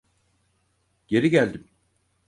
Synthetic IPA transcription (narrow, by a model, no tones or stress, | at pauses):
ɟ̥e̞ɾiɟælʲd̪im